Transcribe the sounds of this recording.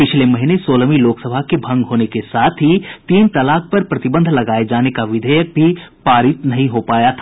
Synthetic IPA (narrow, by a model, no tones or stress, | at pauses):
pɪt͡ʃʰlemɐɦinesoːləmiloːksɐbʱakebʱɐ̃ŋɡɦoːnekesaːt̪ʰit̪iːnt̪ɐlaːk̚pɐɾpɾɐt̪ɪbə̃nd̪ʱlɐɡaːed͡ʒaːnekaʋɪd̪ʱəːjək̚bʱipaːɾɪt̪nɐɦĩɦopaːjat̪ʰaː